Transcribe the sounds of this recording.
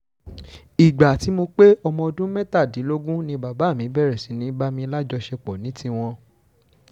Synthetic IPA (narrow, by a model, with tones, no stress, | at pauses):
i˨ɡ͡ba˨ti˨˦mo˧k͡pe˦ɔ˧mɔ̃˧o˧dũ˦mɛ̃˦ta˦˨di˨˦lo˦ɡũ˦nĩ˧ba˨ba˨˦˨mĩ˨˦bɛ˦˨ɾɛ˨si˨˦nĩ˨˦ba˦mĩ˧˦la˦d͡ʒɔ˧ʃɛ˧k͡pɔ˨nĩ˨˦tʰi˧w̃ɔ̃˧